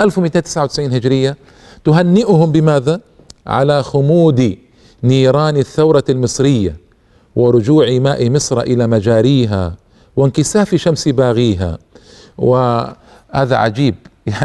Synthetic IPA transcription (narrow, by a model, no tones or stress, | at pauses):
ʔalfwmit̪eːnt̪ɪ̥sʕawt̪ɪsʕiːnhɪd͡ʒɾɪjːa | t̪ʊɦanːɪʔʊhʊmbɪmaːða | ʕa̰laxʊmuːd̪i | niːɾˤɑːnɪθːawɾˤɑlmɨsˤɾɪjːa̰ | wɪɾˤʊd͡ʒuːʕimaːʔimɪsˤɾˤɑʔɪlamad͡ʒaːɾiːɦa̰ | wɪnkɪsaːfiʃamsibaːɣiːɦa̰ | wɪ | haːða̰ʕa̰d͡ʒiːb̚